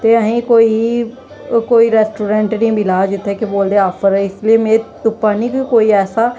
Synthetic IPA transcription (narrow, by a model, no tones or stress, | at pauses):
t̪eːəɦĩːkoːiː | koːiːɾɛːsʈuːɾɛ̃ːɳʈnĩːbɪlaːd͡ʒɪt̪ʰːɛːkeboːld̪eːaːpʰəɾɛɪslieːmeːt̪ʊpːaːnĩːkːkoːiːɛːsaː